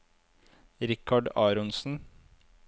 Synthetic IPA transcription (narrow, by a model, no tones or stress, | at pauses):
ɾɪkʰɑɖɑːɾɔnsn̩